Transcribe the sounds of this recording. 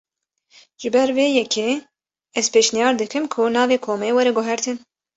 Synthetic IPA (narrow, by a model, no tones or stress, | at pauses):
ʒ̥ɨbɛɾveːjɛkʰeː | ɛzpeːʃnijɑːɾd̪ɨkɨmkʰʊnɑːveːkʰoːmeːwɛɾɛɡʊɦɛɾt̪ʰɨn